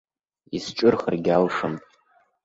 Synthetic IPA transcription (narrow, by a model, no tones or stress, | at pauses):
isʈ͡ʂʷʼʊrχərɡʲalʂɨmʼ